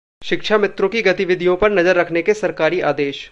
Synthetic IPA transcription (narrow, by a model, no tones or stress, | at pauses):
ʃɪkʃʰamɪt̪ɾõkiɡɐt̪ɪʋɪd̪ʱijõpɐɾnɐzəɾːɐkʰnekesɐɾkaːɾiʔaːd̪eːʃ